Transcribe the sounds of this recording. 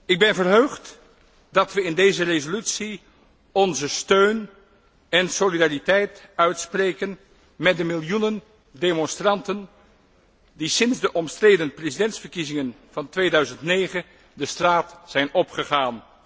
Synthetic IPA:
ɪɡ̚bɛnvəɹɦøɥχt | dɑtʋəɪndejzərezolytsi | ɔnzəstøɥn | ɛnsolidaːritɛjtœɥtsprejkən | mɛt̚dəmɪlˠjunən | demɔnstrɑntən | disɪnzdəʔɔmstrejdənprezidɛntsfəɹkizɪŋən | v̥ɑntʋejdœɥzəntnejχə | dəstraːtsɛjnɔpχəχaːn

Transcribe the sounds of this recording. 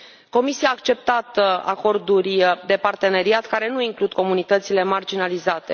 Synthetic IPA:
ko̞misiaːkt͡ʃe̞p̚t̪at̪a̰ko̞rd̪urʲd̪e̞part̪e̞ne̞ɾiat̪kaɾe̞nuiŋklud̪̚ko̞munit̪ət̪sile̞mard͡ʒinalizat̪e̞

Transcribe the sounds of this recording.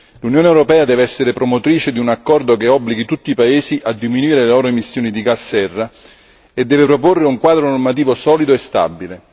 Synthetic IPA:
lunjoːnewɾopɛːad̪ɛːveɛsːeɾepɾomot̪ɾiːt͡ʃed̪iunakːɔrd̪okeɔbːliɡit̪ut̪ːiːpaeːsiʔad̪ːiminuiːɾelelɔːɾoemisːjoːnid̪iɡasːɛrːa | ed̪ːɛːvepɾop̬orːeuŋkwaːd̪ɾonormat̪̬iːvosɔːlid̪oest̪a̰bːile

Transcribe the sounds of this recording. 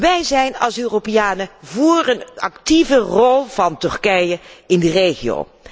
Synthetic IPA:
ʋɛjzɛjnɑlˠsøːropɪjaːnəvʊːrənɑ̰ktivərɔlˠv̥ɑntʏɹkɛjəɪndərejχio̰w

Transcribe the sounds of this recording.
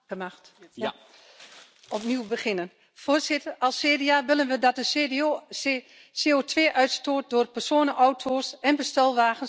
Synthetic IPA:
əmaxt | ɔpniəwbəxɪnən | foːrsɪtərɑlˠseːdeaʋɪlˠənʋədɔt̚də | seːoːtʰʋeːʔœɥtstoːt̚doːrpərsoːnəʔɔwtʰoːsɛnbəstɛlˠʋaːɣən

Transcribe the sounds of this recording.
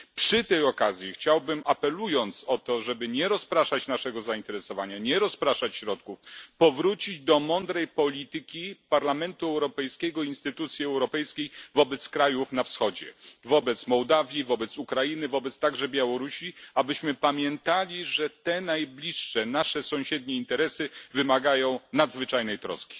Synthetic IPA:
pʂɘt̪ɛjɔkazʲjixt͡ɕawbɘmʔapɛlujɔnt̪sɔt̪ɔʐɛbɘɲɛɾɔspɾaʂat͡ɕnaʂɛɡɔzaint̪ɛɾɛsɔvaɲaɲɛɾɔspɾaʂat͡ɕɕɾɔt̪̚kufpɔvɾut͡ɕid͡ʑd̪ɔmɔnd̪ɾɛjpɔlʲit̪ɘkʲipaɾlamɛnt̪uɛwɾɔpɛjskʲɛɡɔinst̪ɘt̪ut̪sʲjiɛwɾɔpɛjskʲejvɔbɛt̪skɾajufnafsxɔd͡ʑɛ̰vɔbɛt̪smɔwd̪avʲjivɔbɛt̪sukɾajinɘvɔbɛt̪st̪aɡʐɛbʲjawɔɾuɕiabɘɕmɘpamʲjɛnt̪alʲiʐɛt̪ɛnajblʲiʂːɛnaʂɛsɔ̃w̃ɕɛd̪̚ɲɛint̪ɛɾɛsɘvɘmaɡajɔ̃w̃nad̪zvɘt͡ʂajnɛjt̪ɾɔ̰skʲi̥

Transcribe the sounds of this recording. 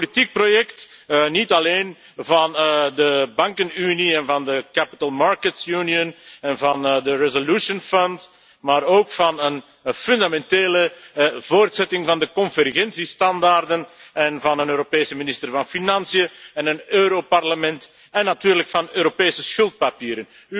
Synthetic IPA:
politik̚projɛktnitɑleːn | vɑndəbɑŋkənyniɛnvɑndəkapi̥təlˠmɑɹkətjuniənɛnvɑndərɛzolusənfɔnt | maːɾoːkfɑnən | fʏndamɛnteːləvoːrtsɛtɪŋvɑndəkɔnvərɣɛnsistɑndaːrdənɛnvɑnənøːɾopeːsəminɪstərvɑnfinɑnsijəɛnənøːɾoparləmɛnt | ɛnːɑtyːɾləkfɑnøːɾopeːsəsxɵlˠt̚papiːɾən | y

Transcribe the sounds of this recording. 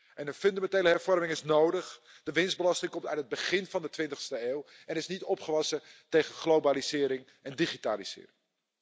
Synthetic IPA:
ʔɛnəfɵndamɛntejləɦɛɹv̥ɔɹmɪŋɪsnowdəχ | d̥əʋɪnzbəlɑstɪŋkɔmtœɥt̚ɦəd̚bəχɪnvɑndətʋɪntəχstəeːw | ɛnɪsnitɔpχəʋɑsətejχəχlowbaːlizɪːɾɪŋ | ɛndiχitaːliz̥ɪ̰ːrɪŋ

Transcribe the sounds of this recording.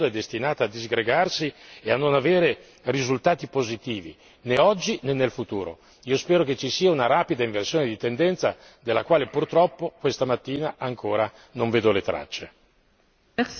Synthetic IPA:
oɛd̪ːest̪inaːt̪aːd̪ːizɡɾeɡarsieanːonaveːɾe | rizult̪aːt̪ipozit̪iːvḭ | neɔd͡ʒːinenːelfut̪ṵːɾo̰ | iːospɛːɾoket͡ʃisiːaunaɾaːpid̪aiɱversjoːned̪it̪end̪ɛnt̪sa̰ | d̪elːakwaːlepurt̪ɾɔpːokwest̪amat̪ːiːnaʔaŋkʰoːɾa | noɱveːd̪olet̪ɾa̰t͡ʃːe

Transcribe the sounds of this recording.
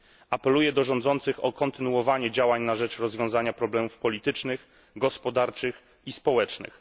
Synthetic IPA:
apɛlujɛd̪ɔʐɔnd̪zɔnt̪sɘxɔkɔnt̪ɘnuwɔvaɲɛd͡ʑawaɲnaʐɛt͡ʂɾɔzvʲjɔ̃w̃zaɲapɾɔblɛmufpɔlʲit̪ɘt͡ʂnɘx | ɡɔspɔd̪aɾt͡ʂɘx | ispɔwɛt͡ʂnɘ̰x

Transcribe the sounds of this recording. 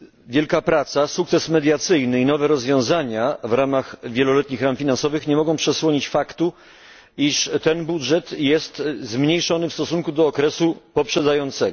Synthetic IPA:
vʲjɛlkapɾat̪sasukt̪sɛsmɛd̪ʲjat̪sɘjnɘinɔvɛɾɔzvʲjɔ̃w̃zaɲavɾamaxvʲjɛlɔlɛt̪ɲixɾamfʲinansɔvɘxɲɛmɔɡɔ̃w̃pʂɛswɔɲit͡ɕfakt̪u | iʂt̪ɛnbudʐɛt̪jɛst̪zmɲejʂɔnɘfst̪ɔsuŋkud̪ɔːkɾɛsupɔpʂɛd̪zajɔnt̪sɛɡɔ

